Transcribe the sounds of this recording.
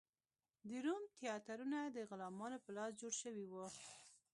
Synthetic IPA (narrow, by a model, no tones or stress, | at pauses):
d̪iɾumt̪jɑt̪aɾunad̪əɣʊlɑmɑnopəlɑsd͡ʒoɽʃəwiwu